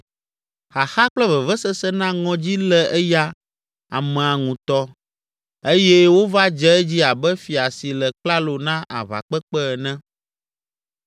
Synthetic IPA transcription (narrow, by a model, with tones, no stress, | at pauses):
xa˨xa˦k͡plɛ˦vɛ˨vɛ˦sɛ˦sɛ˦nã˦ŋɔ̃˨d͡ʑi˦lɛ˨ʔɛ˦ja˦ | a̰˨mɛ̃˨a˨ŋũ˨t̪ɔ˦ | e˦jɛ˦wo˦va˦d͡ʒɛ˦ɛ˦d͡ʑi˦a˨bɛ˦fi˨a˨si˨lɛ˨k͡pla˦lo˨nã˦ʔa̰˨va̰˨k͡pɛ˦k͡pɛ˦˨nɛ̃˦